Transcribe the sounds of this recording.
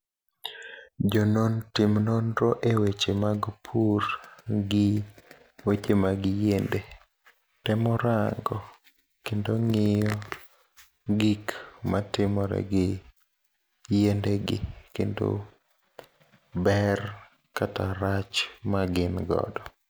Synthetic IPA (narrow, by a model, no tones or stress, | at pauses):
d͡ʒɔnontɪmnonɾoʔewet͡ʃemaɡpʰuɾɡɪ | wet͡ʃemaɡɪjende | tɛmɔɾaŋɡɔ | kendoŋɪjɔ | ɡikmatɪmɔɾɛ̰ɡɪ | jendeɡɪ̰kḛndo̰ | bɛr | kataɾat͡ʃmaɡɪnɡɔ̰dɔ